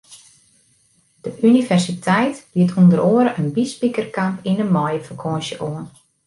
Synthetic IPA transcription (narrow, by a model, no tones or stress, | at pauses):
d̥əʔynivɛrsitʰɛjtb̥iətʰundəɾoːəɾəʔənbispikərkampinəmɔjəfəkʰoənsəʔoən